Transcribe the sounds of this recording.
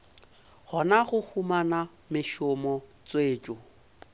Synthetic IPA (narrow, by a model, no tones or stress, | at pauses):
χɔnaχʊhumana | mɪʃɔmɔt͡sweːt͡ʃʼɔ